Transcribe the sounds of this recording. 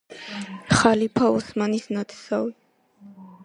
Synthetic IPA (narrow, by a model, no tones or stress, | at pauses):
χalipʰaɔsmanisnat̪ʰsavi